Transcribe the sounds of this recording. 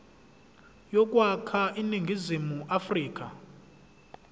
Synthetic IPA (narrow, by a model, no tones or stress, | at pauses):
jɔk̬ʼwakʰaʔiniŋɡʱizimuʔafriːk̬ʼa̰